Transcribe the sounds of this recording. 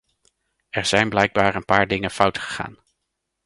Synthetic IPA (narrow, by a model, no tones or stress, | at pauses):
ɛɹz̥ɛjnblɛjɡ̚baːɹənpaːɹdɪŋəfʌwtχə̥χa̰ːn